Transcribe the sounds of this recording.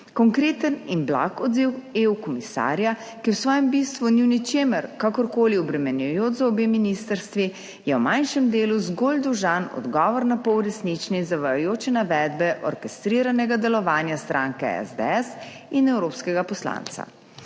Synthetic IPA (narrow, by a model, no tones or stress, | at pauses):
kɔŋkɾeːt̪əninbla̰kɔd̪ziweukɔmisa̰ːɾja | kiwsʋɔːjɛmbist̪ʋuniwnit͡ʃeːməɾkakɔɾkoːliɔbɾɛmɛnjɔjoːt͡ʃzaɔbeminist̪əɾst̪ʋi | jɛwmajnʃɛmd̪eːluzɡold̪ɔʒanɔ̰d̪ɡɔːʋɔɾnapɔwɾɛsnit͡ʃnizaʋajojoːt͡ʃɛnaʋɛːd̪bɛʔɔɾkɛst̪ɾiːɾanɛɡad̪ɛlɔʋaːnjast̪ɾʔaːŋkɛɛ̰zd̪ɛ̰ɛs | inɛwɾoːpskɛɡapɔsla̰ːnt̪sa̰